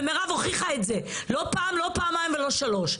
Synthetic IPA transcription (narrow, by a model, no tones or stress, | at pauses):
meʁavoχiχaetzelo̞paːmlo̞paamajmvelo̞ʃalo̞ʃ